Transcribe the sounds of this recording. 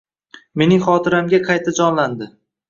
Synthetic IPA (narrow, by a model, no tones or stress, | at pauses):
me̞nɪŋχɒt̪ʰɪɾamɡʲaqʰɑjt̪ʰad͡ʒɒnland̪ɪ